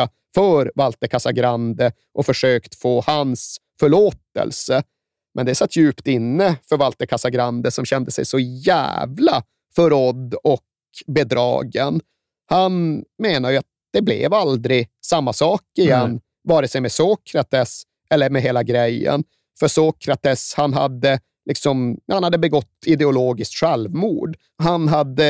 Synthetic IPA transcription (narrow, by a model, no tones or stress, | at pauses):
a | fœɾvalt̪əkʰasaɡɾand̪ə | ʔɔfœʂøːkt̪foːhans | fœɭoːt̪ə̰lsə | mʔɛnd̪ɛsat̪ʰːjʉ̟ːpt̪ɪnːəfœɾvalt̪əkʰasaɡɾand̪əsɔmɕɛnd̪əsɛ̰jsɔjæ̰ːvla̰ | fœɾɔd̪ːɔk | bɛd̪ɾɑ̰ːɡən | hanmeːnaɾjɵat̪̚d̪̥ɛblɛ̰vald̪ɾɪsamːasɑːkɪjɛnː | vɑːɾɛsɛjmɛsoːkʰɾat̪ʰɛs | ʔɛlːəɾmɛɦeːlaɡɾɛjːə̰n | fœʂoːkʰɾat̪ɛshanɦa̰d̪ːə | lʔɪksɔmhanhad̪ːəbɛɡɔt̪ːɪd̪ɛʊloːɡɪskt̪ɧɛlvmuːɖ | ɦanɦad̪ːə